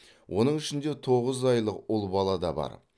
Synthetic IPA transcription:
wʔo̞nəɴʏʃɪnd̪e̞t̪ʰo̞ʁəzɑjlˠəqʊlˠbɑlˠɑd̪ɑbɑ̰ɾ

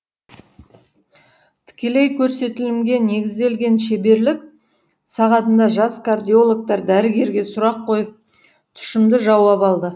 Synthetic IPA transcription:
t̪ʰɪ̥kʲe̞le̞jkʲʰɵɾse̞t̪ɪlɪmɡʲe̞ne̞ɡʲɪzd̪e̞lɡʲe̞nʃe̞be̞ɾlɪk̚ | sɑʁɑt̪ənd̪ɑʒɑskʰard̪ijo̞lˠok̚t̪ɑɾd̪æɾɪɡʲe̞ɾɡʲe̞sʊɾɑqʰːo̞jəp̚ | t̪ʰʏ̥ʃɪmd̪ɪʒɑwɑpɑlˠd̪ə

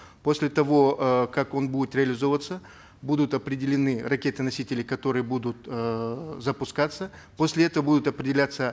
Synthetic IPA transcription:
po̞sʲlʲɪt̪ɐvo̞kako̞nbudʲɪt̪ɾʲɪɐlʲɪzo̞vət̪sə | bud̪ʊt̪ɐpɾʲɪdʲɪlʲɪnɨrɐkʲe̞t̪ɨnɐsʲitʲɪlʲɪkɐt̪o̞ɾɨjəbud̪ʊt̪ | zəpʊskat̪sːə | posʲlʲɪɛt̪əvəbud̪ʊt̪ɐpɾʲɪdʲɪlʲat̪sə

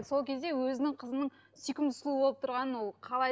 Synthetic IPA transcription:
so̞lˠkʲʰe̞zd̪e̞wɵzɪnɪŋqʰəzəmnəɴ | sikʲɪmt̪ʰʊ̥slˠuəbo̞lˠəp̚t̪ʰʊɾʁɑnənwo̞lˠqʰɑlˠɑ

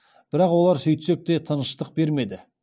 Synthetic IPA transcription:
b̥ɪɾɑqwo̞lˠɑɾsʏjt̪sek̚t̪e̞t̪ʰənəʃt̪əq̚be̞ɾme̞d̪ɪ

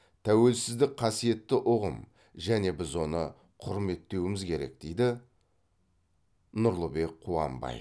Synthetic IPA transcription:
t̪ʰæwe̞lsɪzd̪ɪk̚qʰɑsije̞t̪ːɪʔʊʁəm | ʒæne̞bɪzwo̞nə | qʰʊɾme̞t̪ːe̞wɪmɪzkʲʰe̞ɾe̞̰k̚d̪̥ejd̪ɪ | nʊɾlˠəbe̞k̚qʰuɑ̰mbɑ̰j̰

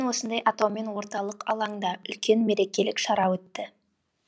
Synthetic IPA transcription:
nwo̞sənd̪ɑjɑt̪ɑwme̞nwo̞ɾt̪ɑlˠəqɑ̰lˠɑŋd̪ɑʔʏlkʲe̞nme̞ɾe̞kʲe̞lɪkʃɑɾɑwɵt̪ːɪ

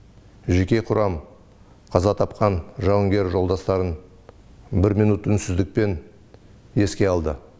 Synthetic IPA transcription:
ʒe̞kʲe̞qʰʊɾɑm | qʰɑzɑt̪ʰɑpqɑnʒɑwəŋɡʲe̞ɾʒo̞lˠd̪ɑst̪ɑɾən | bɪɾmijnut̪ːʏnsɪzd̪ɪk̚pe̞n | e̞skʲe̞ɑlˠd̪ə

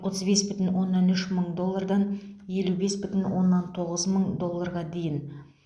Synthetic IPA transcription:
wot̪ʰəzbe̞sbʏt̪ɪnwo̞nːɑnʏʃməɴd̪o̞lˠːaɾd̪ɑnje̞lube̞sbʏt̪ɪnwo̞nːɑnt̪ʰo̞ʁəzməɴd̪o̞lˠːaɾʁɑd̪e̞jɪn

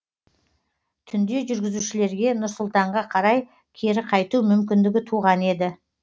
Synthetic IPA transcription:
t̪ʰʏnd̪e̞ʒʏɾɡʲɪzuʃɪle̞ɾɡʲe̞nʊɾsʊlˠt̪ɑɴʁɑqʰɑɾɑj | kʲʰe̞ɾɪqʰɑjt̪umʏmkʲɪnd̪ɪɡʲɪt̪ʰuʁɑne̞d̪ɪ

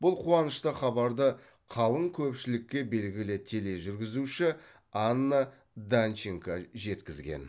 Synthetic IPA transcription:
bʊlˠqʰuɑnəʃt̪əχɑbɑɾd̪ə | qʰɑlˠəŋkʲʰɵpʃɪlɪkʲːe̞be̞lɡʲɪlɪt̪ʲʰele̞ʒʏɾɡʲɪzuʃɪ | ɑnːə | d̪ant͡ʃeŋkɑʒe̞t̪kʲɪzɡʲe̞̰n

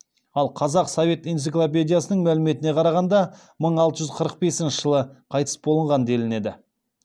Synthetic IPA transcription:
ɑlˠqʰɑzɑqso̞ve̞t̪ijnt̪siklˠop̬ʲe̞d̪ijasənəɴmælɪme̞t̪ɪne̞qʰɑɾɑʁɑnd̪ɑ | məɴɑlˠt̪əʒʏzqʰəɾəq̚be̞sɪnʃɪʒ̥əlˠəqʰɑjt̪ə̥sbo̞lˠəɴʁɑnd̪e̞lɪne̞d̪ɪ

